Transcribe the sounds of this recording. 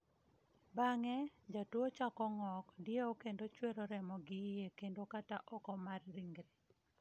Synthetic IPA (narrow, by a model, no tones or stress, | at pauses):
baŋɛd͡ʒatwot͡ʃakɔŋɔkdjeokendot͡ʃweɾoɾɛmɔɡɪjekendokataʔɔkɔmarɾiŋɡɾe